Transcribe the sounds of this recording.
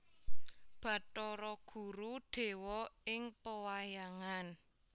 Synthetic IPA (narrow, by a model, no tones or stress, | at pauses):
b̥ä̤tɔɾɔɡ̥ṳɾuɖ̪̥e̤wɔɪŋpəwajaŋan